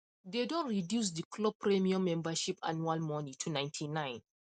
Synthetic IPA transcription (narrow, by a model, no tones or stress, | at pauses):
dedɔ̃nɹidjus̬dikʰlɔpʰɹɛmiamɛ̃mbaʃipʰanualmɔnitʰunãɪ̃ntʰinãɪ̃n